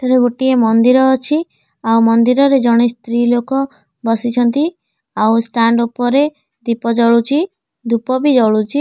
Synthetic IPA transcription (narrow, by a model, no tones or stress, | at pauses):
t̪eɾeɡoʈiemɔnd̪iɾɔːt͡ʃʰi | awmɔnd̪iɾɔɾed͡ʒɔɽ̃est̪ɾilokɔ | bɔsit͡ʃʰɔnt̪i | awsʈaɳɖupɔɾe | d̪ipɔd͡ʒɔɭut͡ʃʰi | d̪upɔbid͡ʒɔɭut͡ʃi